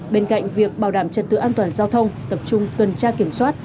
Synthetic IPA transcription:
ɓe˧nka̰˧˨jŋ̟vi˨˩ək̚ɓaː˨˩wɗaː˧˩mt͡ɕə̰˨˩t̚t̪ɨ̰˧˨ʔaː˧nt̪waː˨˩nzaː˧wt̪ʰə˧wŋ͡mt̪ə˨˩p̚t͡ɕʊ˧ŋ͡mt̪wə˨˩nt͡ɕaː˧ki˧˩əmswaː˦˥t̚

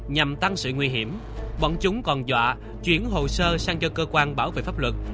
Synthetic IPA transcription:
ɲa˨˩mt̪a˧ŋsɨ̰˧˨ŋwi˧ɦi˧˩əm | ɓɔ̰˧˩nt͡ɕʊ˨˦ŋ͡mkɔ˨˩nzwa̰ː˧˨ | t͡ɕwi˨˦ənɦo̰˧˨səː˧saː˧ŋt͡ɕɔ˧kəː˧kwaː˧nɓaː˧˩˦wvḛ˧˨˩faː˦˥p̚lwə˨˩t̚

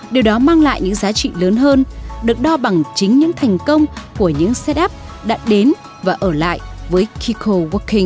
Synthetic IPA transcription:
ɗi˨˩əwɗɔ˨˦maː˧ŋla̰ː˧˨jɲɨ̰˧˥ŋzaː˨˦t͡ɕḭ˧˨ləː˨˦nɦəː˧nɗɨ˨˩ək̚ɗɔ˧ɓa˨˩ŋt͡ɕï˨˦ŋ̟ɲɨ̰˧˥ŋt̪ʰa˨˩jŋ̟kə˧wŋ͡mku˧˩əɲɨ̰˧˥ŋsɛ˦˥t̚ʔɛ˦˥p̚ɗa̰ː˧˥ɗe˨˦n | vaː˨˩ʔəː˧˩la̰ː˧˨jvəː˨˦jkʰi˧kʰo˧wu˦˥kːi˧ŋ

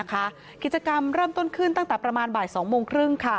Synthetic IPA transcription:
kʰa˦˥ | ki˨˩t͡ɕa˧ka˧mɾɤː˥˩mt̪o˥˩nkʰɯ˥˩nt̪a˥˩ŋt̪ɛː˨˩pɾa˧maː˧nbaː˨˩jsɔː˩˦ŋmoː˧ŋkʰɾɯ˥˩ŋkʰa˥˩

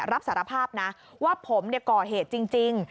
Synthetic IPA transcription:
ɾa˦˥p̚saː˩˦ɾa˧pʰaː˥˩p̚na˦˥ | waː˥˩pʰo˩˦mni˥˩ɐkɔː˨˩ɦeː˨˩t̪̚t͡ɕi˧ŋt͡ɕi˧ŋ

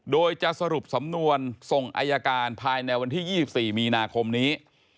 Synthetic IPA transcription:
doː˧jt͡ɕa˨˩ʔsa˧ɾu˨˩p̚sa˩˦mnu˧ənso˨˩ŋʔa̰ː˧ja˧kaː˧npʰaː˧jna˧jwa˧nt̪ʰiː˥˩jiː˥˩si˨˩p̚siː˨˩miː˧naː˧kʰo˧mniː˦˥

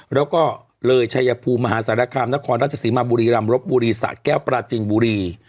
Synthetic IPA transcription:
ɾɛː˦˥wkɔː˥˩ | lɤː˧jt͡ɕʰa˧ja˧pʰuː˧mːa˧ɦaː˩˦saː˩˦na˧kʰaː˧mna˦˥kʰɔː˧nɾaː˥˩t͡ɕʰa˧siː˩˦maː˧buː˧ɾiː˧ɾa˧mɾo˦˥p̚buː˧ɾiː˧sa̰˨˩kɛː˥˩wpɾaː˧t͡ɕi˧ŋbuː˧ɾiː˧

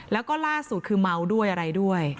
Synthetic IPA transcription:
lɛː˦˥wkɔː˥˩laː˥˩su˨˩t̪̚kʰɯː˧ma˦˥wdu˥˩əjʔa˧ɾa˧jdu˥˩əj

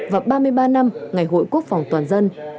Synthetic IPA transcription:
vaː˨˩ɓaː˧mɨ˧əjɓaː˧na˧mŋa˨˩jɦo̰˧˨jku˦˥ək̚fa˨˩wŋ͡mt̪waː˨˩nzə˧n

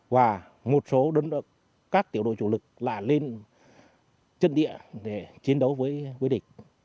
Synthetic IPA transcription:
vaː˨˩ | mo˨˩t̚so˨˦ɗə˨˦n˧ | kaː˦˥k̚t̪i˨˩əɗo̰˧˨t͡ɕu˧˩lɨ˨˩k̚la̰ː˧˨jle˧n | t͡ɕə̰˧˨nɗḭ˧˨əɗe˧˩t͡ɕi˨˦ənɗə˨˦wvəː˨˦jkwi˨˦˥ɗï˧˨ŋ̟

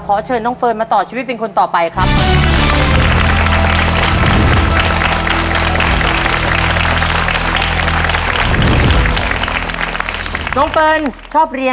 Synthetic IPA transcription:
kʰɔː˩˦t͡ɕʰɤː˧nːɔ˦˥ŋfɤː˧nmaː˧t̪ɔː˨˩t͡ɕʰiː˧wi˦˥t̪̚pe˧nkʰo˧nt̪ɔː˨˩pa˧jkʰɾa˦˥p̚ | nɔ˦˥ŋfɤː˧nt͡ɕʰɔː˥˩p̚ɾi˧ə

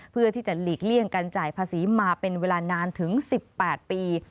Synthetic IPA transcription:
pʰɯ˥˩ət̪ʰiː˥˩t͡ɕa˨˩liː˨˩k̚li˥˩əŋka˧nt͡ɕaː˨˩jpʰaː˧siː˩˦maː˧pe˧nweː˧laː˧naː˧nt̪ʰɯ˩˦ŋsi˨˩pːɛː˨˩t̪̚piː˧

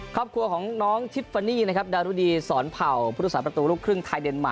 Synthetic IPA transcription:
kʰɔː˥˩p̚kʰɾu˧ɐkʰɔː˩˦ŋnɔː˦˥ŋt̪ʰi˦˥p̚fa˧niː˥˩na˦˥kʰa˦˥p̚daː˧ɾuː˦˥˩diː˧sɔː˩˦npʰa˨˩wp̪̚ʰːsaː˩pɾa˧t̪uː˧ɾluː˥˩kʰɾɯ˥˩ŋt̪ʰaː˧jde˧nma̰˨˩

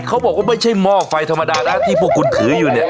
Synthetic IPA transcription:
kʰa˦˥wbɔː˨˩k̚waː˥˩ma˥˩jt͡ɕʰa˥˩jmɔː˧˩fa˧jt̪ʰmːa˧daː˧ɗaː˥˩nt̪ʰiː˥˩pʰuː˧˩ku˧nt̪ʰɯː˨˦juː˨˩ni˦˩

